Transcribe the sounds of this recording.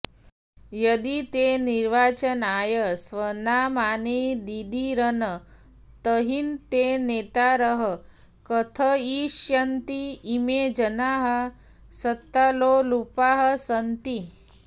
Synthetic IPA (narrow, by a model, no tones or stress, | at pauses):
jəd̪it̪eniɾʋaːt͡ʃənaːjəsʋənamaːned̪id̪iɾənə | t̪əɦint̪enet̪aɾəɦə | kət̪ʰəiʃjɐnt̪iːmed͡ʒənaːɦə | sət̪ːalolupaɦəsənt̪i